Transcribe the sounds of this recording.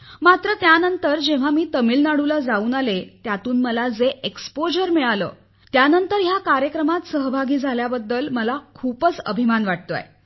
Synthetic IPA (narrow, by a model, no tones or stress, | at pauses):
mat̪ɾət̪janənt̪əɾd͡ʑeʋ̤amiːt̪əmiːlnaɽulad͡zauːnalet̪jat̪uːnməlad͡zeʔekspod͡ʑəɾmiɭalə̰ː | t̪janənt̪əɾɦjakaɾjəkɾəmat̪səɦbʱaɡiːd͡zʱaljabəd̪ːəlməlakʰupət͡sə̰bʱimanʋaʈ̚t̪oa̰j